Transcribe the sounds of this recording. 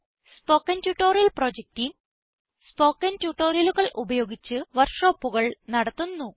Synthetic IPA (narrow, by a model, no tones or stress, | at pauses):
spo̞ːkːɐntjuʈːo̞ːɾijɐlpro̞ːd͡ʑek̚ʈim | spo̞ːkːɐntuʈːo̞ːɾjɐluɣɐɭʔubɐjo̞ːɡit͡ɕːɨʋɐrʂoːpːuɣɐɭnɐɽɐt̪ːunːu